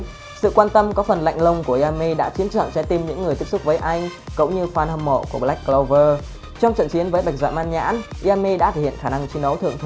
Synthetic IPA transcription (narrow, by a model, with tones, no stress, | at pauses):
sɨ̰˧˨kwaː˧nt̪ə˧mkɔ˨˦fə˨˩nla̰˧˨jŋ̟lə˧wŋ͡mku˧˩əʔi˧a˧mːi˧ɗa̰ː˧˥t͡ɕi˨˦əmt͡ɕə̰ː˧˨nsɛ̰˧˥t̪i˨˩mɲɨ̰˧˥ŋː˨˩j̪t̪əp̚sʊ˦˥k͡p̚vəː˨˦jʔa˧jŋ̟kə̰˧˥wŋ͡mɲɨ˧xwaː˧˩nhə˧mːo̰˧˨ku˧˩əɓla˦˥k̚klo˧wvəː˧ | t͡ɕɔ˧wŋ͡mt͡ɕə̰˧˨nt͡ɕi˨˦ənvəː˨˦jɓa˨˩jk̚za̰ː˧˨maː˧nɲa̰ː˧˥nʔi˧a˧mi˧ɗa̰ː˧˥t̪ʰe˧˩hḭ˧˨ə˨˩xaː˧˩na˧ŋt͡ɕi˨˧˦nɗə˨˦wt̪ʰɨ˧˨əŋt̪ʰ